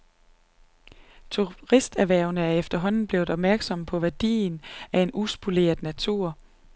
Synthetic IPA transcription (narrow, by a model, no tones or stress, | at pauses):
t͡sʰuʁisd̥æʋæɐ̰ʊnəæɐefd̥ɐɦɒ̽n̰n̩b̥le̝ːʊð̩ˠɒ̽b̥̚mæɐɡ̥sɒ̽mpʰɒ̽ʋæɐd̥ḭːnæe̝nusb̥ule̝̰ːɐð̥ˠnæt͡sʰuɐ̰